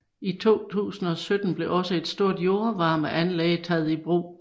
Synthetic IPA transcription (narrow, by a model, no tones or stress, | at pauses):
it͡sʰo̝̰ːt͡sʰṵːsn̩ɒ̽sød̥n̩b̥le̝ʔɒ̽səe̝d̥sd̥o̝ɐ̰d̥jo̝ɐʋɑ̈ːməʔænlɛːɪət͡sʰɛð̞̩ˠib̥ʁo̰ː